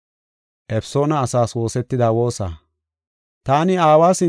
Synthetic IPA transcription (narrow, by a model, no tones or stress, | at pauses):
ʔɛpso̞ːnɐːsaːswo̞ːsɛt̪ːɪd̪aːwo̞ːsa̰ː | t̪aːnɪaːwaːsɪ